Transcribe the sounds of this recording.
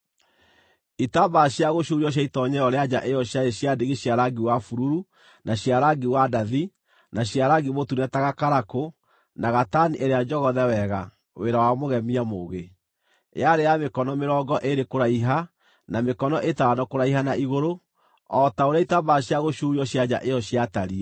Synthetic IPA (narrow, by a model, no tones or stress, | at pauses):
itabaɕjaɣoɕuɾiɔɕ̬aitɔɲɛɔɾead͡ʑaʔejɔɕjaeɕiadeɣeɕiaɾaɡiwafuɾuɾu | naɕiaɾaɡiwadaði | naɕiaɾaɡimotunɛtaɣakaɾako | naɣataniʔeɾead͡ʒɔɣɔðɛwɛɣa | weɾawamoɣɛmiamoɣḛ | aɾeamekɔnɔmeɾɔːɡɔʔeɾekoɾaiɦa | namekɔnɔʔetaanɔkoɾaiɦanaʔiɣoɾo | ɔtaoɾeaitabaɕiaɣoʃuɾiɔɕjad͡ʒa̰ʔejɔɕijataɾi